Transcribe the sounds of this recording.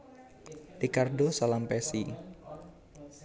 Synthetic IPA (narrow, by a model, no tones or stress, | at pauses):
rikardosalampɛsi